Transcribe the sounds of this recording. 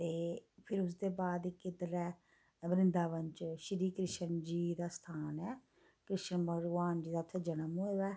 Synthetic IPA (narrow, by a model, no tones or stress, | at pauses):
t̪eːpʰɪɾʊs̬d̪eːbaːd̪ikɪd̪əɾɛː | bəɾɪ̃nd̪aːʋəɲt͡ʃʃɾiːkɾɪʃənd͡ʒiːd̪aːst̪ʰaːnɛː | kɾɪʃənbʱəɡʋaːnd͡ʒiːd̪aːt̪ʰːeːd͡ʒənəmɦoːʋɛː